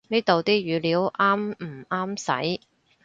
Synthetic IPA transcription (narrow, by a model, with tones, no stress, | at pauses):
niː˥t̪o˨wt̪iː˥ɥyː˨˧liː˨˥wʔaː˥m̩˨˩aː˥msɐ̰˨˥j